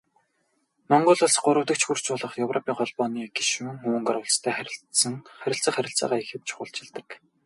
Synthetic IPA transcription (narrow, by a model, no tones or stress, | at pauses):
mɔɴɢʊ̆ːɮʊ̆ɮsɢʊɾʊ̆wt̪ə̆k̚t͡ɕxur̥t͡ɕʊːɮə̆χjɵwrʔɔpʰʲiːŋɢɔɮpɔːniːɡiʃuːŋxuːŋɢarwʊ̆ːɮt͡st̪ʰæːχæɾʲɪ̆ɬt͡sə̆ŋχæɾʲɪ̆ɬt͡sə̆χæɾʲɪ̆ɬt͡sa̰ːʁaːixɘ̆t̪̚t͡ɕʰʊ̥χʊ̰ɬt͡ɕɪ̆ɮt̪ə̆k